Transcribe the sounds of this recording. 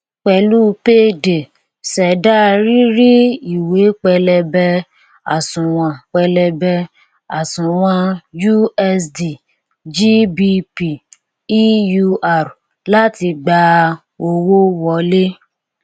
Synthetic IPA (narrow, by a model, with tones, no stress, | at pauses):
k͡pɛ˧˦lu˦pe˦de˨ | sɛ˨da˦ɾi˦ɾi˦i˦˨we˨˦k͡pɛ˧lɛ˧bɛ˧ | a̰˨sũ˨w̃ã˨k͡pɛ˧lɛ˧bɛ˧ | a˨sũ˨w̃ã˧ju˦ɛ˧sdi˨ | d͡ʒi˦bi˧pi˨ | i˦ju˧ʔa˨ɾ | la˦ti˧ɡ͡ba˧ | o˧wo˦wɔ˧˦le˦